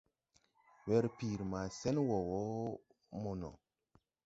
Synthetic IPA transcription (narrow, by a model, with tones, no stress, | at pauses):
wɛ˦ɾpi˨ɾma˨sɛ˦nwo˨wo˦ | mo˨nɔ̰˨